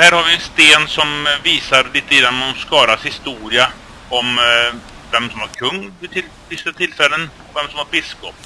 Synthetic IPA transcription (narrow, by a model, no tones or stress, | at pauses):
hæːɾhaɾvɪɛnst̪eːnsɔmviːsaɾliːt̪ːəɡɾanːɔmskɑːɾashɪst̪uːɾɪa | ɔm | vɛmsɔmhaɾkʰɵŋːd̪t̪ʰɪl | dɪst̪ət̪ʰɪlfɛlːənɔvɛmsɔmhaɾbɪskɔpː